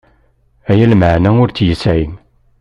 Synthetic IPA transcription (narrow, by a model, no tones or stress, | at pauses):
æjælməʕnæʊɾt͡sjəsæin